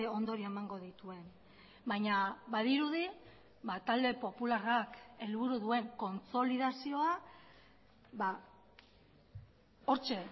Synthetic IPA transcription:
o̞nd̪oɾie̞maŋɡo̞ðit̪ue̞n | bajɲaβaðiɾuði | βat̪ald̪e̞po̞pularake̞lβuɾuðue̞ŋko̞nt͡so̞liðasio̞a | βa | o̞ɾt͡ʃe̞

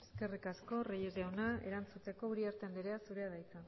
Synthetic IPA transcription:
e̞ske̞rikasko̞rejezeunae̞̰ɾant͡sut̪e̞ko̞uɾiaɾt̪end̪eɾe̞asuɾe̞aðajt͡sa

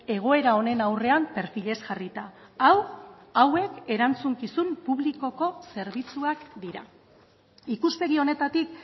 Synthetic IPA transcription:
e̞ɣ̞o̞e̞ɾao̞ne̞nawre̞ampe̞ɾfiʎe̞sʝarit̪a | awawe̞ke̞ɾant͡suŋkisumpuβ̞liko̞ko̞se̞ɾβit͡suakd̪iɾa̰ | ikuspe̞ɣio̞ne̞t̪at̪ik

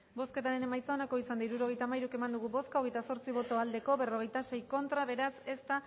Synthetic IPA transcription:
bo̞ske̞t̪aɾe̞ne̞majt͡saonako̞isand̪aiɾuɾo̞ɣ̞e̞jt̪aːmajɾuke̞mand̪uɣ̞uβo̞skaoɣe̞jt̪aso̞ɾt͡siβo̞t̪o̞ald̪e̞ko̞βe̞ro̞ɣ̞e̞jt̪ase̞jko̞nt̪ɾaβe̞ɾase̞st̪a

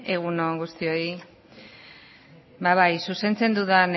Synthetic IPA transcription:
e̞ɣ̞unoŋɡust̪io̞i | baβajsuse̞nt͡se̞nd̪uðan

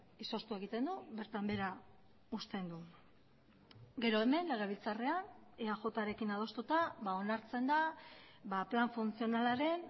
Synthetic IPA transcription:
iso̞st̪ue̞ɣ̞it̪e̞nd̪uβe̞ɾt̪ambe̞ɾa | ust̪e̞nd̪u | ɡe̞ɾo̞eme̞nle̞ɣ̞e̞β̞ilt͡sare̞aneaʝo̞t̪aɾe̞kinað̞o̞st̪ut̪aβao̞naɾt͡se̞nd̪abaplaɱfunt͡sio̞nalaɾe̞n

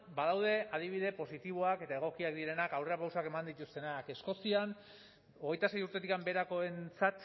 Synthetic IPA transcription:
baðawðe̞að̞iβ̞iðe̞po̞sit̪iβ̞oake̞t̪ae̞ɣ̞o̞kiakd̪iɾe̞nakawre̞apawsake̞mand̪it̪ust̪e̞nake̞sko̞sian | o̞ɣ̞e̞jt̪ase̞juɾt̪e̞t̪̬ikambe̞ɾako̞e̞nt͡sat̪

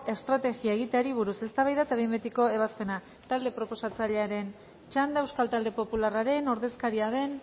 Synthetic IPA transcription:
e̞st̪ɾat̪e̞ɣiae̞ɣit̪eaɾiβ̞uɾuse̞st̪aβajðat̪aβejmbet̪iko̞e̞β̞aspe̞na | t̪ald̪e̞pɾo̞po̞sat͡saʎe̞aɾe̞n | t͡ʃand̪aewskalt̪ald̪e̞po̞pularaɾe̞no̞ɾðe̞skaɾiað̞e̞n

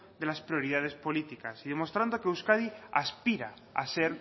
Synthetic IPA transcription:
d̪e̞laspɾio̞ɾið̞að̞e̞spolit̪ikasiðe̞mo̞st̪ɾand̪okeuskaðiaspiɾa | a̰seɾ

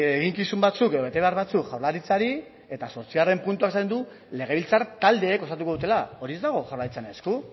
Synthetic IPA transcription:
eɣiŋkisumbat͡suke̞ðo̞βe̞t̪e̞βe̞aɾβat͡sukʝawɾlaɾit͡saɾi | e̞t̪aso̞ɾt͡siare̞mpunt̪uakesaind̪u | le̞ɣ̞e̞βilt͡saɾt̪ald̪e̞ːko̞st̪at̪̬uko̞ut̪e̞lao̞ɾie̞zd̪aɣ̞o̞ʝawɾlaɾit͡sanesku

